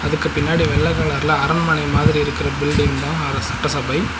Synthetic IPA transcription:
ɐðɯkːɯpɪnːaːɽiʋɛɭːɐɪɣaːɭɐɾlɐɐɾɐnmɐnɐɪmaːðɪɾiɪɾɯkːɪɾɐbɪlɖɪŋd̪ãːɐɾsɐʈːɐsɐbɐɪ

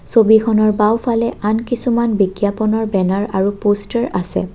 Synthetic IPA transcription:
sobikʰɔnɔɹbawfʰalɛʔankisumanbiɡjapɔnɔɹbɛnaɹaɹupostaɹasɛ̰

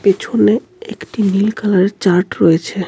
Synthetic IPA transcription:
pet͡ɕʰone | ḛkʈimilkʰalaɾeɾt͡ɕaɾʈɾɔjet͡ɕʰe

